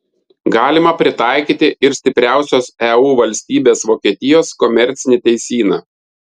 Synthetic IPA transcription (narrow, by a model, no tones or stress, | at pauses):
ɡɑːlʲɪmɐpʲɾʲɪt̪ɑˑɪkʲiːt̪ʲɪʔɪɾsʲt̪ʲɪpʲɾʲæˑʊsʲoːsɛuːʋɐlʲsʲt̪ʲiːbʲeːsʋoːkʲiɛt̪ʲɪjoːskɔmʲɛɾʲt̪sʲɪnʲɪt̪ʲɛɪsʲiːnɑː